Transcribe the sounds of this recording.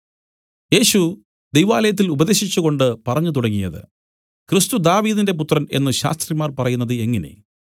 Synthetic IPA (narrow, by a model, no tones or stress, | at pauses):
je̞ːɕu | d̪ejʋaːlɐjɐt̪̬ːilubɐðe̞ːɕit͡ɕːuɣo̞ɳɖɨpɐrɐɲːut̪uɽɐŋːijɐðɨ̰ | krist̪ud̪aːʋiːðinde̞p̬ut̪rɐne̞̰nːɨɕa̰ːst̪rimaːrpɐrɐjunːɐðɨe̞ŋːɐne̞̰